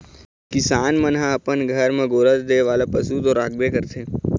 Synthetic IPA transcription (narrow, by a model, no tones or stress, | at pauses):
kɪsaːnmənɦãəpənɡʱəɾmẽɡoːɾət̪d̪eːʋaːlapəsut̪oɾaːɡ̚bekəɾt̪ʰeː